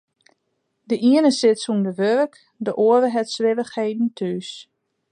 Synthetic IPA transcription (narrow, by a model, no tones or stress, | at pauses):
dəʔiənəsɪtsumdəʋørək | dəʔoəvəɦɛtsʋɪvəxheːdn̩tʰyːs